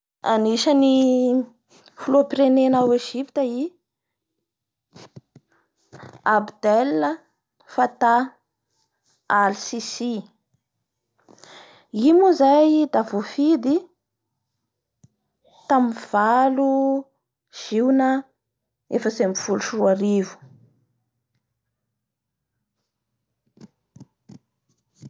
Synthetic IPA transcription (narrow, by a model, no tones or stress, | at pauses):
a̰niʃani | fuloapiɾenenaweʒipi̥t̪əi | abd̪elːə | fat̪a | alsisi | imuzajd̪avofid̪i | t̪amiv̥alu | ʒ̥iwnə | efəsemfuluʃruaɾivu̥